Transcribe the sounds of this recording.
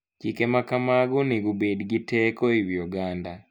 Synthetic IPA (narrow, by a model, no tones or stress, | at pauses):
cikemakamaɡuniɡubediɡitekoiβioɡaːnda